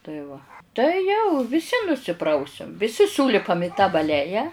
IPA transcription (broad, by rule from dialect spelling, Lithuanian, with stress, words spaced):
tɐɪ ˈʋɐ tɐɪ ˈjɛʊ ʋʲɪˈsʲɪ nʊsʲɪˈprɐʊsʲɛm ʋʲɪˈsʲɪ ˈsuːlʲɪpɐm ɪ tɐ bɐˈlʲæːjɛ